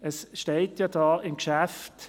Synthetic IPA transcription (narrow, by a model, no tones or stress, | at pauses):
əsʃteɪtjad̥ɑːʔɪmkʃæft